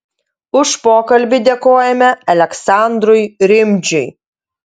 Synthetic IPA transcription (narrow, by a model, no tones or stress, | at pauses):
ʊʃpoːkɐlʲbʲɪd̪ʲeːkoːjɛmʲɛɐlʲɛksɑˑnd̪ɾʊjɾʲɪmʲd͡ʒʲʊj